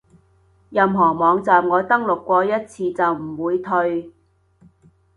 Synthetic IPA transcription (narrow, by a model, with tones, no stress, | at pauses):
jɐ˨mɦɔː˨˩mɔː˨˧ŋt͡saː˨mŋɔː˨˧t̪ɐ˥ŋlʊ˨kːʷɔː˧jɐ˥t̚t͡sʰiː˧t͡sɐ˨wm̩˨˩wuː˨˧jt̪ʰɵ˧ɥ